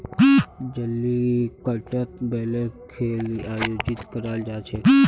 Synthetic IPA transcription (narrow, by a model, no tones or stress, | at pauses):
d͡ʒəlːikəʈət̪bɛlekʰeːliajoːd͡ʒit̪kəɾald͡ʒaːt͡ʃʰe